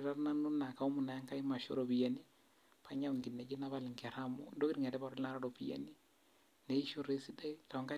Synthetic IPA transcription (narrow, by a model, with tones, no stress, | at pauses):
ɾa˦ɾna˦nu˦na˨ka˨u˦mu˨na˨ja˦ŋka˦i˦ma˨ʃɔ̰˦ɾo˨bi˨ja˨ni˦ | pʰa˨˦ɲa˦u˨ŋɡi˨nːɛ˨d͡ʒi˦na˦βa˦lɪ˨ŋɡɛ˨ɾa˦mɔ̰˨ndo˦ki˦ɾŋɛ˨dɛ˦ba˨ɾɔ˦lna˦ɾaɾɔ˨pi˨ja̰˨ni˦ | ne˨i˦ʃo˦˨ɾe˦si˦da˦i˦ta˨ŋka˦